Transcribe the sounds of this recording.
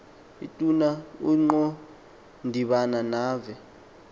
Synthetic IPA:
ḭtʼunauŋ͡ǃɔ | ndʱiɓananaːvɛ

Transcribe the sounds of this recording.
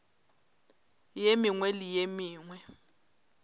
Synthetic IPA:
jemiŋwelijemiːŋwɛ

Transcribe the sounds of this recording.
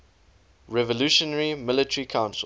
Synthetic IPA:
ɹɛvəluʃənəɹimɪlɪtəɹikʰãʊ̃nsə

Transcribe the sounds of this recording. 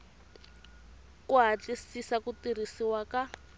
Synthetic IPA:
kuɦat͡ɬisisakutir̤isiwaka

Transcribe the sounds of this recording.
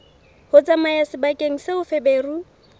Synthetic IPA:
hʊt͡sʼamajasɪbakʼeŋ̩sɪʊfebeːru

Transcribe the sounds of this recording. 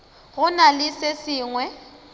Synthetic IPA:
ɣʊnalɪsesɪːŋwɛ

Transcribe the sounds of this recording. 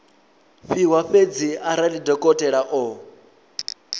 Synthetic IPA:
ɸiɦwaɸed͡ziaɾalidɔkʼɔtʼɛɺaʔɔ

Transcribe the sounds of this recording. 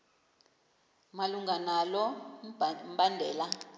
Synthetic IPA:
maluŋɡʱanalɔ | m̩bandʱɛːla

